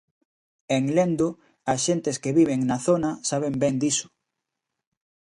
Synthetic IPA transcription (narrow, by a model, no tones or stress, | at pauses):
eŋlend̪ʊ | ɐsʃent̪eskeβiβ̞eŋnɐθonɐsaβembɛnd̪isʊ̥